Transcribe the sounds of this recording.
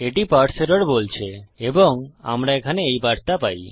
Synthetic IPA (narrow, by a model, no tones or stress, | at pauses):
eʈipaɾʈseɾɔɾbolt͡ɕʰeeboŋa̰mɾaekʰaneejbaɾt̪apaj